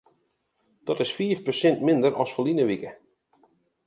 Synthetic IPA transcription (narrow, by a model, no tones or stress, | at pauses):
d̥ɔtɪsfiːəfpəsɪntmɪndəɾʔɔsfəlinəʋikə